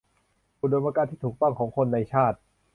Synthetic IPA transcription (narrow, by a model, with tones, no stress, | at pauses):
u˧˩do˧npa˧kaː˧nt̪ʰiː˥˩uː˨˩k̚t̪ɔ˥˩ŋkʰɔː˩˦ŋkʰo˧nːa˧jt͡ɕʰaː˥˩t̪̚